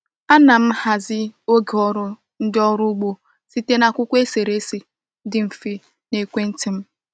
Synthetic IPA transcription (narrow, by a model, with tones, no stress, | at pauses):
a˦na˨m̩˦ha˨zɪ˦o˦ɡe˨ɔ˦ɾʊ˦ | n̩˦dɪ˦ɔ˦ɾu˦ɡ͡bo˦ | si˦te˦na˨kʷʊ˦kʷe˦se˨ɾe˦si˦ | dɪ˦m̩˨fi˦ | ne˨kʷe˦n̩˦tɪ˦m̩˦